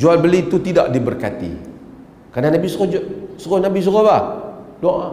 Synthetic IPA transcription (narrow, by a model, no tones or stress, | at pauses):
d͡ʒualbəlit̪ut̪idaʔdibərkat̪ḭ | kananabisosɔɣɔnabis̬ɔɣobadɔʔ